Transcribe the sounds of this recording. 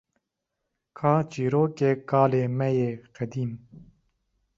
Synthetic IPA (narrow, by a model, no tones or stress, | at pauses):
kʰaːt͡ʃiːɾoːkeːkaːleːmɛjeːqɛd̪iːn